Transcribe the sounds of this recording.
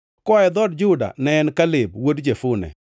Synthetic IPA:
kɔɛd̪ɔdd͡ʒʊda̰nɛnkalɪb̚wodd͡ʒefʊnɛ̰

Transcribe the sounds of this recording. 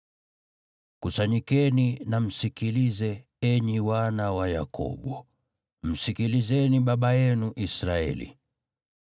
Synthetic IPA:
kusaɲikɛninam̩sikilizɛ | ɛɲiwanawaja̰kɔ̰ɓɔ | m̩sikilizɛniɓaɓajɛnuʔisɾaɛ̰lḭ

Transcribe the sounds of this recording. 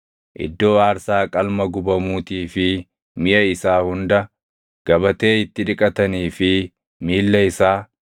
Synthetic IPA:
ʔɪ̰d̪ːo̞ːaːɾsaːkʼɐlmɐɡʊbɐmuːt̪iːfɪ | mɪʔɐɪsaːhʊnd̪ɐ | ɡ̥ɐbɐt̪e̞ːɪt̪ːɪᶑɪkʼɐt̪ɐniːfɪ | miːlːɐɪsaː

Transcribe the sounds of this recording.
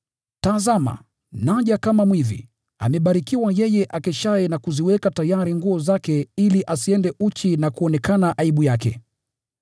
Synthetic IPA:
taːzama̰ | naʄakamamwiðḭ | a̰mɛɓaɾikiwajɛjɛʔakɛʃaɛnakuziwɛkatajaɾiŋɡuɔzakɛiliʔasiɛndɛʔut͡ʃinakuɔnɛkanaʔaiɓujakɛ̰

